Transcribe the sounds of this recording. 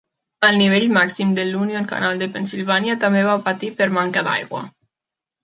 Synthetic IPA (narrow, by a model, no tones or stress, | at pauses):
əlˠniβeʎmaksimd̪elunjoŋka̰nalˠd̪epensilβanjat̪ambeβawpat̪ipəɾmaŋkaða̰jɣwa̰